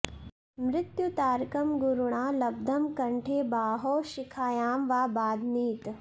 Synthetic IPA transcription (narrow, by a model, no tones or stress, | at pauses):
mɾɪt̪jut̪aːɾkɐmɡuɾuɳ̃aːlɐb̚d̪ʱɐmkɐɳʈʰeːbaːɦoːʃɪkʰaːjaːmʋaːbaːd̪ʱniːt̪